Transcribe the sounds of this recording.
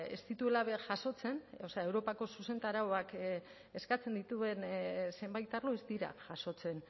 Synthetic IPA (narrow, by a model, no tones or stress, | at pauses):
e̞̰st̪it̪ue̞laβe̞ʝaso̞t͡se̞no̞seae̞wɾo̞pako̞suse̞nt̪aɾaoak | e̞skat͡se̞nd̪it̪ue̞nse̞mbajt̪aɾloezd̪iɾa̰ʝaso̞t͡se̞n